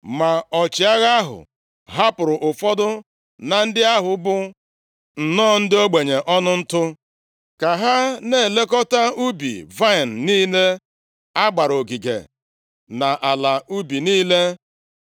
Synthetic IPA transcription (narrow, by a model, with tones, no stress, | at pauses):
ma˨ɔ˨t͡ʃɪ˨a˦ɣa˦a˦ɦʊ̰˨ | ɦa˦pʊ˨ɾʊ˨ʔʊ˨fɔ˦dʊ˦ | na˨n̩˦dɪ˦a˦ɦʊ˨bʊ˦ | n̩˨nɔː˦˨n̩˦dɪ˦o˦ɡ͡be˨ɲe˨ʔɔ˦nʊ˦n̩˦tʊ˦ | ka˨ɦa˦ne˦˨le˦kɔ˦ta˦u˦bḭ˨va˦ɪ˨n̩˨niː˦le˦ | a˦ɡ͡ba˨ɾo˨ɡi˨ɡḛ˨ | na˨ʔa˨la˨u˦bi˨niː˦le˦